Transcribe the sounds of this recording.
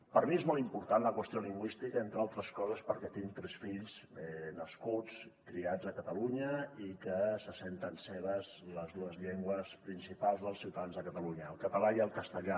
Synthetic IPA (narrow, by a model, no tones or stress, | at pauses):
pəɾmiezmɔlˠimpuɾt̪anləkwəst̪ioliŋɡwist̪ikəent̪ɾalˠt̪ɾəskɔzəspəɾkɛt̪iŋt̪ɾɛsfiʎsɛnəskut͡skɾiazəkət̪əluɲəikəsəsent̪ənsɛβəzləzðuəzʎeŋɡwəspɾinsipalˠzðəlˠsiwt̪aðanzðəkət̪əluɲəːlˠkət̪əlaiəlˠkəst̪əʎa